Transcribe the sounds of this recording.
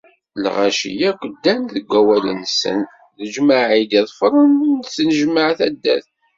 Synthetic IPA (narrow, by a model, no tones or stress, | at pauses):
lʁæʃḭjækʷːəd̪ːænðəɡʷːæwælə̰nsə̰n | ðəʒməʕid̪iðˤfɾˤənθnəʒməʕθæd̪ːæ̰θ